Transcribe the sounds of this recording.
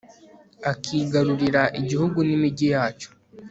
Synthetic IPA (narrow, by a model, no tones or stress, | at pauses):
akʰiːɡaɾuɾiɾaʔiɟihuɡunimiɟijaːt͡ʃo̥